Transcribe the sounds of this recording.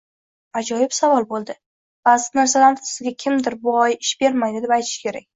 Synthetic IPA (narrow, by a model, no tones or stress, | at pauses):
ad͡ʒɒjɪbsavɒlˠbolˠd̪ɪ | bazɪnaɾsalansɪzɡʲakʲʰɪmd̪ɪɾbʊɒjɪʃb̥e̞ɾmajd̪ɪd̪e̞pajt̪ʰɪ̥ʃkʲʰe̞ɾak̚ʲ